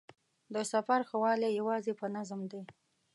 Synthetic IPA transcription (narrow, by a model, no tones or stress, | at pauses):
d̪əsafaɾxawɑlejawɑzepənazmd̪e